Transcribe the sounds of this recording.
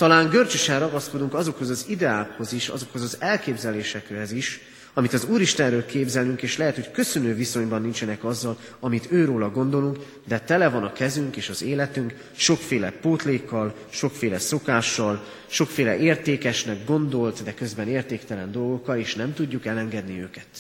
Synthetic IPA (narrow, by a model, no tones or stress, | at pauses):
t̪ɒlaːŋɡørt͡ʃøʃɛnrɒɡɒsko̞d̪uŋkɒzo̞kho̞zɒzid̪ɛaːkho̞ziʃɒ̰zo̞kho̞zɒzɛlkeːbzɛleːʃɛkrɛziʃ | ɒmit̪ɒzuːɾiʃt̪ɛnrøːlkeːbzɛlyŋkeːʃlɛɦɛt̪ho̞ckø̞sø̞nøːviso̞ɲbɒnːint͡ʃɛnɛkɒzːɒl | ɒmit̪øːɾoːlɒɡo̞nd̪o̞luŋk | d̪ɛt̪ɛlɛvɒnɒkɛzyŋkeːʃɒzeːlɛt̪yŋk | ʃo̞kfeːlɛpoːt̪leːkːɒl | ʃo̞kfeːlɛso̞kaːʃːɒl | ʃo̞kfeːlɛʔeːrt̪eːkɛʃnɛɡɡo̞nd̪o̞lt̪d̪ɛkø̞zbɛneːrt̪eːkt̪ɛlɛnd̪o̞lɡo̞kːɒleːʃnɛmt̪uɟːukɛlɛŋɡɛd̪niøːkɛt̪